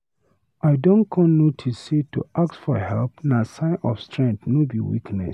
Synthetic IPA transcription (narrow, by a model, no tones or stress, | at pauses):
ʔaɪdõnkʰɔ̃nnotʰisetṵʔak̚tsfɔhɛlpnasãɪ̃nʔɔ̰fstʰɹɛ̃ŋθnobiwḭknɛ̰s